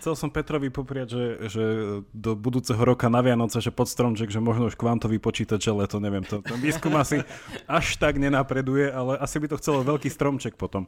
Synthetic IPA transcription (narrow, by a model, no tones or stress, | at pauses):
t͡sɛlsɔmpɛt̪ɾɔʋipɔpɾɪaɟʒɛʒɛd̪ɔbud̪uːt͡sɛɦɔɾɔkanaʋɪanɔt͡sɛʒɛpɔt̪st̪ɾɔmt͡ʃɛɡʒɛmɔʒnɔuʃkʋant̪ɔʋipɔt͡ʃiːt̪aɟʒɛlɛt̪ɔɲɛʋɪɛmt̪ɛnt̪ɛnʋiːskumasiaʃt̪aɡɲɛnapɾɛd̪ujɛalɛʔasibit̪ɔxt͡sɛlɔʋɛʎkiːst̪ɾɔmt͡ʃɛk̚pɔt̪ɔm